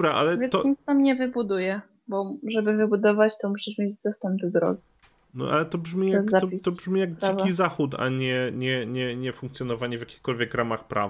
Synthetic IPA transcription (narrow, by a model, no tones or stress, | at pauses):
bɾaʔa̰lɛvjɛt̪ɔɲist̪amɲɛvɘbud̪ujɛ | bɔʐɛbɘvɘbud̪ɔvat͡ɕt̪ɔmuɕiʂmʲed͡ʑd̪ɔst̪ɛmbd̪ɔd̪ɾɔ̰ɡʲi | nɔ̰ʔa̰lɛt̪ɔbʐmʲijazat̪ɔisɔbʐmʲijaɡd͡ʑɛ̃vkizaxut̪a̰ɲɛɲɛɲɛɲɛfũŋkt̪sʲjɔnɔvaɲɛvʲjakʲi̥xkɔlvʲjɛkɾamaxpɾa̰v